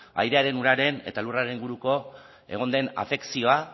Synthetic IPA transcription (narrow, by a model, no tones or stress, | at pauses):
a̰jɾe̞aɾe̞nuɾaɾe̞ne̞̰t̪aluraɾe̞niŋɡuɾuko̞ | e̞̰ɣ̞o̞nd̪e̞na̰fe̞ksio̞a